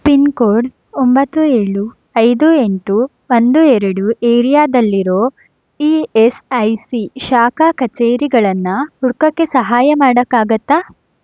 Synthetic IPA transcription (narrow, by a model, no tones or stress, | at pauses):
pinkoːɾɖ | ombɐt̪ːueːɭu | ɐjd̪ue̞ɳʈu | ʋɐnd̪uɛɾɐɽuʔeːɾijaːd̪ɐlːiɾoː | iːesɐjsiʃaːkaːkɐt͡ʃeːɾiɡɐɭɐnːɐhuɽkɐkːe̞sɐɦaːjɐmaːɽɐkːaːɡɐt̪ːaː